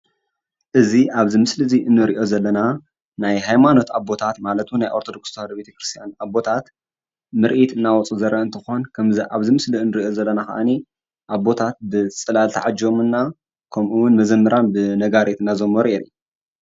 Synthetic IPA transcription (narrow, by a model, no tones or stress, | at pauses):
ʔɨziʔaβzimɨslɨziʔɨnːɨɾiʔo̞zɐlːɐna | najhajmano̞t̪abːo̞t̪ʰat̪malɐt̪ʰunajʔoɾt̪ʰod̪o̞kst̪ʰad̪be̞t̪ʰɐkɾɨst̪ʰjanabːo̞t̪ʰat̪ | mɨɾʔit̪ɨnːawɔt͡sʼuzɐɾʔɐɨnt̪ʰɨxo̞nkʰɐmziʔaβzimɨsliɨnːɨɾiʔozɐlːɐnaxɐ̰ʔani | ʔaβːo̞t̪ʰat̪̚bɨt͡sʼɐlalt̪ʰa̰ʕad͡ʒomɨnːa | kʰɐmʔuwʊnmɐzɐmːɨɾanbɨnɐɡaɾet̪ɨnːazomoɾiʔeɾu